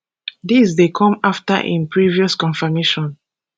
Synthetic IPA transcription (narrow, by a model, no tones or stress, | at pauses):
disdekʰɔ̃mafta̰ʔḭ̃npɹiviɔskɔ̃nfameʃɔ̃n